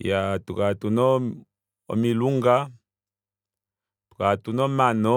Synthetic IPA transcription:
jatukatunɔ | ɔ̰miluŋɡa | tu̥katunɔmanɔ

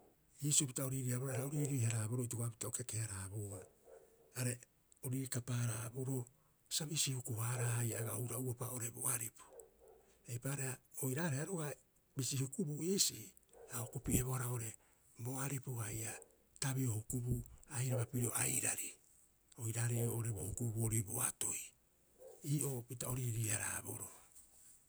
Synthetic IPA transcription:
jisupitaoɾiɾiaβoɾaɾaoɾiɾihaɾaːboɾotoɡapitaokekehaɾaboaː | ɾe | oɾiɾikapaːɾaboɾo̞ | saβisihukuhaɾahajaɡaowɾauapao̞ɾe̞boaɾipu̥ | ejpaɾeaojɾaːɾeaɾoɡa | bisihukubuesi | aokupieβoaɾaoɾe̞ | bo̞aɾipohaja | taβiohukubuajɾaβapiɾoʔa̰jɾaɾi | o̞jɾaɾeoɾebohukubuoɾibo̰ato̞j | iːʔo̞pitao̞ɾiɾiaɾa̰ːbo̰ɾo

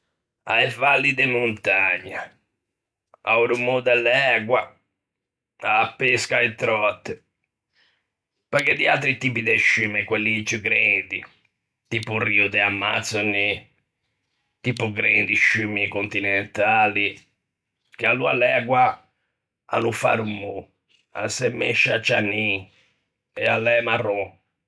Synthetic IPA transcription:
aɛvalːid̪ɛmunt̪aɲːa | a̰uɾumud̪ɛlɛɡwa | aːpːeskaɛt̪ːɾɔt̪ːɪ | pəkɛd̪ia̰lt̪ɾit̪iːpid̪ɛʃːymɛkwɛlːit͡ʃːuɡɾɛnd̪i | t̪iːpuriud̪ɛamːat̪sɔnːi | t̪ipuɡɾend̪iʃːymikont̪inɛnt̪aːli | k̟ealua̰lːɛakwa | a̰nufa̰ɾumːu | a̰sɛmːeʃːat͡ʃːanːi | ɛalːɛmarːɔ

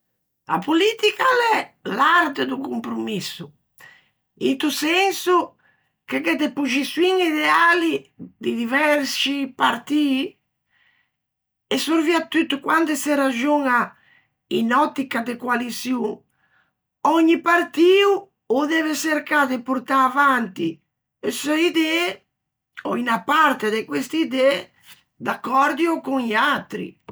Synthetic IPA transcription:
a̰pulit̪ikalɛlaɾt̪ed̪ukumpɾumisːu | ḭnt̪usɛnsu | kekɛd̪epud͡ʒisuwiŋiðealid̪id̪ivɛɾsipaɾt̪iː | esoɾviat̪ːyt̪ːukwand̪eserad͡ʒuŋa | ḭnɔt̪ːikad̪ekwalisju | ɔɲːipaɾt̪iːu | od̪ɛveseɾkad̪epuɾt̪aːvant̪i | esoid̪ɛ | ɔinapaɾt̪ed̪ekwest̪iid̪ɛ | d̪akːɔɾd̪iokuŋʎat̪ɾḭ

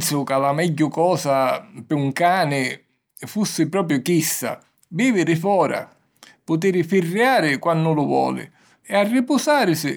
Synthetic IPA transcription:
t̪sʊkalamɛɟːʊkɔːsapɪuŋkaːnɪ | fusːɪpɾɔːp̬ɾjʊkista̰ | biːvɪɾɪfɔːɾa̰ | pʊt̪̬ɪːɾɪfɪrːjaːɾɪkwanːʊlʊvwɔ̰ːlɪ̰ | ɛarːɪpʊsaːɾɪsɪ

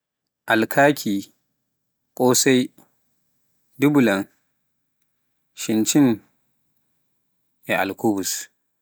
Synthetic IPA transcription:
ʔalkʰaːkʲʰiː | kʷʼoːsaj | dubʊlɐŋ | ʃɪnt͡ʃɪn | jaʔa̰lkuːbʊs

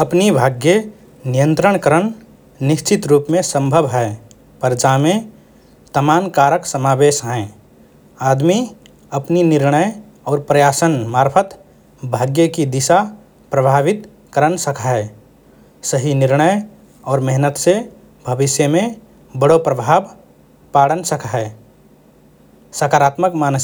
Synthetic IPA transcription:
əpnibʱaːɡjə | nijə̃nt̪ɾəɽ̃kəɾən | nɪʃt͡ʃɪt̪ɾuːpmẽsə̃mbʱəbɦɛ | pəɾd͡ʒaːmẽ | t̪əmaːnkaːɾəksəmaːbeːʃɦɛ̃ | aːd̪mi | əpninɪɾɳəj | ɔːɾpɾəjaːsənmaːɾpʰət̪ | bʱaːɡjəkid̪isa | pɾəbʱaʋit̪ | kəɾənsəkʰaɦɛ | səɦinɪɾnəj | ɔːɾmɛɦnət̪se | bʱəbɪsjəmẽ | bəɽopɾəbʱaːb | paɽənsəkaɦe | səkaːɾat̪məkman

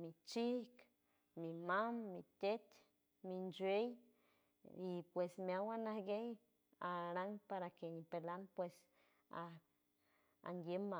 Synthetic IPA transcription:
mit͡ʃihk | mimamːit̪et̪ | mind͡ʒwej | ipwesmeawanahɡej | aɾaŋpaɾakenipelanpwes | a | a̰ŋɡjema

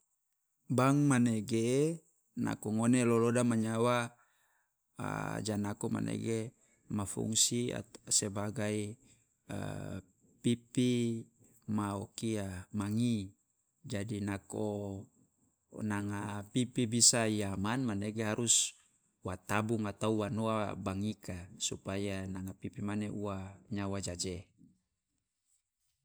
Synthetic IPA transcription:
baŋmaneɡe | na̰koŋonelolodamaɲawa | d͡ʒanakoma̰nʔḛɡe | mafṵŋsia̰sebaɡaḭ | pipi | maokiamaŋi | d͡ʒadinako | naŋapipibisaijamanmaneɡeɦaɾus | wat̪abuŋat̪auwanoabaŋikasupajanaŋapipimaneʔuaɲawad͡ʒad͡ʒe

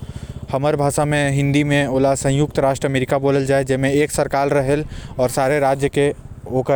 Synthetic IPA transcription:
hɐməɾbʱaːʃamẽɦɪ̃nd̪imẽoːlasɐ̃jʊk̚t̪ɾaːʃʈɾəɐmeːɾɪkaboːləld͡ʒaːed͡ʒɪmẽeːksɐɾkaːlɾɐɦəlɔːɾsaːɾeɾaːd͡ʒjəke | oːkə

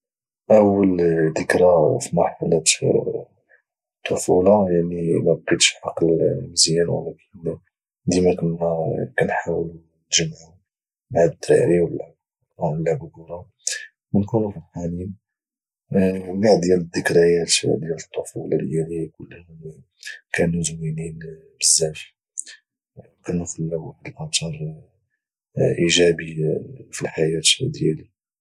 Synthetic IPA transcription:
ʔəwːəld̪əkɾafimɑɾˤħɑlɑt̪ | t̪ˤːofulɑjaʕnimæbqit̪ʃħɑqlməzjænwə̰lækʰən | d̪imækʊnːækænħawlu | nʒəmʕʊ | bʕad̪t̪ːɾḭɾiwəlːæ | wəlːæbʊɡuɾˤɑ | wənkunufilħanin | əmɡaʕdd̪jæləd̪ːəkɾəjæt̪d̪jælət̪ˤːofulɑ̰ljælikʊlːhʊm | kænuzminin | bəzːæf | kænufilwd̪əlʔɑt̪ˤɑɾˤ | ʔiʒæbifilħajæt̪d̪jæli

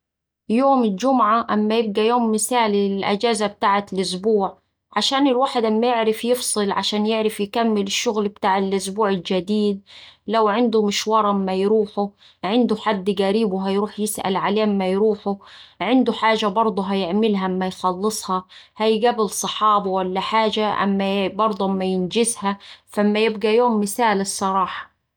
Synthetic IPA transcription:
joːmɪld͡ʒʊmʕaʔamːajɪb̚ɡajoːmːɪsaːlɪlʔa̰d͡ʒaːzab̚t̪aːʕalʔʊsbuːʕ | ʕaʃaːnɪlwaːħɪd̪ʔamːajɪʕɾɪfjɪfsˤɨlʕaʃaːnjɪʕɾɪfjkamːɪlɪʃːʊɣlbt̪aːʕɪlʔʊsbuːʕɪld͡ʒad̪iːd̪̚lawʕɪnd̪ʊmɪʃwɑːɾˤɑmːajɾuːħʊ | ʕɪnd̪ʊħad̪ːɡaɾiːbwɪɦajɾuːħjɪsʔa̰lʕaleːʔmːajɾuːħʊʕɪnd̪ʊħaːʒabɑɾˤd̪ˤuɦajɪʕmɪlɦamːajxɑlːɨsˤhɑhajɡabɪlsˤɑħɑːbawalːaħaːʒaʔa̰mːabɑɾˤd̪ˤuʔamːajɪnd͡ʒɪshafaʔmːajɪbɡajoːmːɪθaːlɨsˤːɑɾˤɑːħɑ̥

